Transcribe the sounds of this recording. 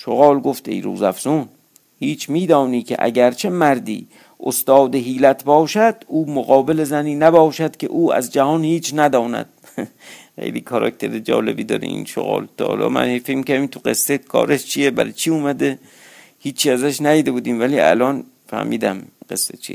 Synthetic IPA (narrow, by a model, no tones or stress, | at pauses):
ʃoɣɑːlɡoft̪e̞̰jɾṵːzæfz̥un | hiːt͡ʃʰmiːd̪ɒːniːkʰʲḛʔæ̰ɟæɾt͡ʃʰe̞mæɾd̪ḭː | ʔost̪ɒːd̪eɦiːlæt̪ʰbɒːʃæd̪̥uːmoɣɒːbele̞zæniːnæbɒːʃæd̪̥kʲʰḛʔuːæ̰zd͡ʒæhɒːnhiːt͡ʃʰnæd̪ɒːnæ̰d̪̥̚ | xḛjlḭːkʰɒɾɒ̰k̚t̪ʰe̞ɾed͡ʒɒ̰ːle̞biːd̪ɒ̰ːɾḭḭnʃo̰ɣɒ̰ːlt̪ʰɒ̰ːlɒ̰ːmæ̰nhefekmikæiːt̪ʰuɢesːekʰɒ̰ːɾeʃt͡ʃʰijebæ̰ɾet͡ʃʰiːuːmæd̪e | hiːt͡ʃʰːiæzæʃnæjiːd̪ebuːd̪iːmvæliːæ̰lɒːn | fæ̰hmiːd̪æmɢ̥ḛsːet͡ʃʰḭ